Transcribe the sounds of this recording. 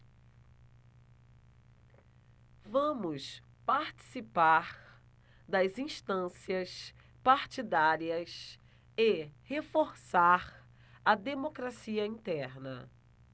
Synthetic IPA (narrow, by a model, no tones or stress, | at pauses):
vɐ̃mʊs | paɾt͡ʃi̥sipaɾ | d̪ɐzĩʃt̪ɐ̃siɐs | paɾt͡ʃid̪aɾiɐs | ehefoɾsaɾ | ɐd̪emokɾasiɐĩt̪ɛɾnɐ̰